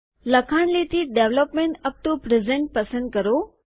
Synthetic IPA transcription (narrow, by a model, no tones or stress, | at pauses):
lɐkʰañlit̪iɖeːʋləpmẽɳʈɐp̚t̪opɾezẽɳʈ̚pɐsə̃nd̪̚kɐɾo